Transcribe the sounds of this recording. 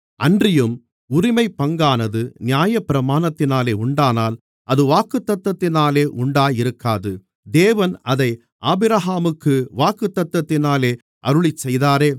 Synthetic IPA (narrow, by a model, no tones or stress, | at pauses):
ɐndrɪjɯm | ʊɾɪmɐɪpːɐŋɡaːnɐðɯnɪjaːjɐpɪɾɐmaːnɐt̪ːɪnaːleːʊɳɖaːnaːl | ʔɐðɯʋaːkɯt̪ːɐt̪ːɐt̪ːɪnaːleːʔʊɳɖaːjɪɾɯkːaːðɯ | d̪eːʋɐnɐðɐɪ | ʔaːbɪɾɐɦaːmɯkːɯʋaːkɯt̪ːɐt̪ːɐt̪ːɪnaːleː | ʔɐɾɯɭɪt͡ʃːɛjðaːɾeː